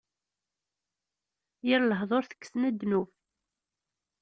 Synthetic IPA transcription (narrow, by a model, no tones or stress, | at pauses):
jiɾləɦðˤoɾθə̥kːə̥snæd̪ːnu